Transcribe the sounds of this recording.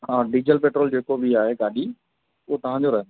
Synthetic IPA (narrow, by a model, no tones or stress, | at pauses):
ãːɖiːd͡ʑəlpeːʈɾoːld͡ʑeːkobʱiaːɦeɡaːɗi | uɦot̪ɐʋ̤ãɲd͡ʑoɾɐɦə̃n